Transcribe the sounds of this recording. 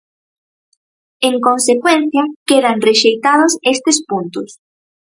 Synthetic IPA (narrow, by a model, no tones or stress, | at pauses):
eŋkonsekwenθjɐkeðanreʃejt̪að̞ʊsest̪espunt̪ʊs